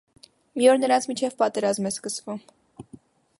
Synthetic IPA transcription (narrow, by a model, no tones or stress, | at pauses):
miɔɾnəɾɑnt͡sʰmit͡ʃʰɛvpɑt̪ɛɾɑzmɛskəsvum